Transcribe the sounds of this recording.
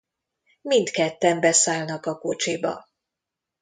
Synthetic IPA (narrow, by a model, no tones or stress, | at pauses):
mind̪kɛt̪ːɛmbɛsaːlnɒkɒko̞t͡ʃibɒ̰